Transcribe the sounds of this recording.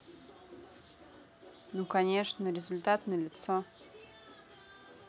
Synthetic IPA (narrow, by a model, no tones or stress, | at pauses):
nukɐnʲeʂnəɾʲɪzʊlʲt̪at̪nəəlʲɪt̪so